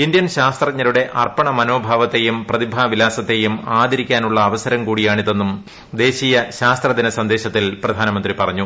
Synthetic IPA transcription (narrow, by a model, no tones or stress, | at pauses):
ind̪jɐnɕaːst̪rɐɲːɐɾuɽe̞ʔɐrpɐɳɐmɐno̞ːbʱaːʋɐt̪ːe̞jumprɐðibʱaːʋilaːsɐt̪ːe̞jumaːd̪ʱiɾikʲːaːnuɭːɐːʋɐsɐɾɐmkuːɽijaːɳiðe̞nːum | d̪e̞ːɕijɐɕaːst̪rɐd̪inɐsɐnd̪e̞ːɕɐt̪ːilprɐd̪ʱaːnɐmɐnd̪ripɐrɐɲːu